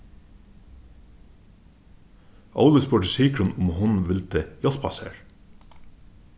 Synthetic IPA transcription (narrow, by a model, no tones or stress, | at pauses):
ʔɑ̰ʊləspʉːʈəsiːkɹʊnʊmhʊnʋɪlt̪əjɔlpʰɑ̰sḛːɹ